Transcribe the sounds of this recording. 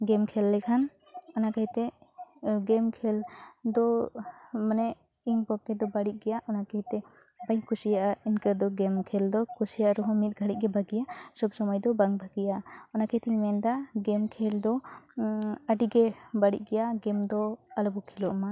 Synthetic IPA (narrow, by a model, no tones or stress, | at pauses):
ɡɛmkʰɛlːɛkʰan | ɔnakajt̪ɛ | ɡɛmkʰɛld̪ɔ | manɛ | iɲpɔkkɛd̪ɔbaɽiʔ̚ɡɛjaʔɔnakajt̪ɛ | bajkʰusijaʔainkəd̪ɔɡɛmkʰɛld̪ɔkʰusijaʔɾɔɦɔmit̪̚ɡʱaɽic̚ˀɡɛbʱaɡijasɔbsɔmɔjd̪ɔbaŋbʱaɡijaɔnakajt̪iɲmɛnd̪aɡɛmkʰɛld̪ɔ | aɖiɡɛbaɽḭʔ̚ˀɡɛjaɡɛmd̪ɔalɔbɔkʰilɔʔma